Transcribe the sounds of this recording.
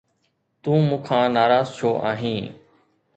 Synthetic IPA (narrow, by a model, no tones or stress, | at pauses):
t̪ũːmũːkʰãːnaːɾaːzt͡ʃʰoːʔaːɦĩː